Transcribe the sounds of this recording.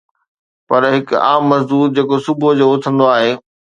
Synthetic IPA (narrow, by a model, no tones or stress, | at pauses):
pɐɾɦɪka̰ːmːɐzd̪uːɾ̚d͡ʑeːkosʊbʱod͡ʑoːʊt̪ʰə̃nd̪oaːɦeː